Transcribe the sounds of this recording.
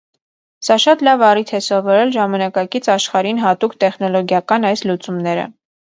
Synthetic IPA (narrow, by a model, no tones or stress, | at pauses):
sɑʃɑt̪lɑvɑrit̪ʰɛsɔvɔɾɛlʒɑmɑnɑkɑkit͡sʰɑʃχɑɾinɦɑt̪ukt̪ɛχn̪ɔlɔɡjɑkɑnɑjslut͡sumnɛɾə̰